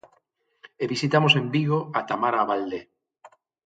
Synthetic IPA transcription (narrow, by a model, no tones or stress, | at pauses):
eβisit̪amosembiɣ̞oat̪amaɾaβald̪e